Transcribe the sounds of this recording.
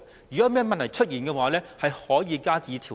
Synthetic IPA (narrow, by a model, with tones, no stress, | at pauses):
jyː˨˩kɔː˨˥mɛː˥mɐ˨nlʰɐ˨˩jt͡ʃʰɵ˥t̚jiː˨˩nkɛː˧waː˨˦lɛː˥hɐ˨jhɔː˨˥jiː˨˧kaː˥t͡siː˨˧˥t̪ʰiː˨˩